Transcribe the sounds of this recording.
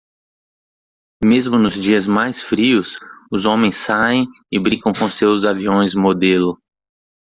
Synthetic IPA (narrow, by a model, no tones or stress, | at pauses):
mezmʊnʊzd͡ʒiɐzmajsfɾiʊsʊzõmẽj̃saẽj̃ | ɪbɾĩkɐ̃w̃kõʊsewzaviõj̃zmod̪elʊ